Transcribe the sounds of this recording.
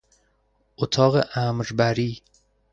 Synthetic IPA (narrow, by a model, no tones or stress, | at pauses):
ʔot̪ʰɒːɣeʔæmɾbæɾiː